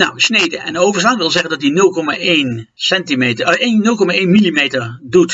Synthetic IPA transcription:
nawsnejdəʔɛ̰nowvəɹslanʋɪlˠzɛχəndɑt̚dinɵlˠkɔmaʔejnsɛntimetəennɵlˠkɔmaʔejnmilimejtəɹdut

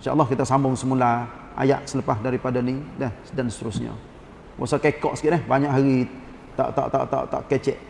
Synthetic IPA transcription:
nʃa̰ʔlːɔhkit̪asambʊŋsəmula | a̰ja̰ʔsələpasdaɾipadanidɛhsdanst̪əɾʊsɲa̰ | wa̰sakekɔʔsə̥kiʔdɛhbaɲaʔɦaɾi | t̪a̰ʔt̪a̰ʔt̪a̰ʔt̪a̰ʔt̪a̰ʔkɛt͡ʃɛʔ

